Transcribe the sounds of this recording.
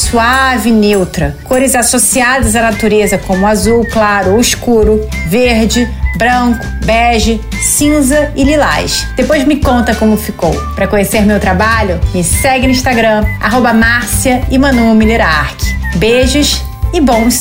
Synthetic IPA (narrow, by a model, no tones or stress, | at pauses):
suavɪnewt̪ɾɐkoɾɪzasosiad̪ɐzanat̪uɾezɐkõmʊazuwklaɾʊskuɾʊ | veɾd͡ʒɪbɾɐ̃kʊ̥bɛʒɪ | sĩzɐɪlila̰jʃd̪̥epojzmɪkõnt̪ɐkõmʊfiko̰wpɾɐkõɲeseɾmewt̪ɾabaʎʊmɪsɛɡɪ̃ĩʃt̪aɡɾɐ̃a̰ɦobɐmaɾsiɐɪmɐ̃numileɾa̰ɾkɪ̥beʒɐʃ | ɪbõw̃s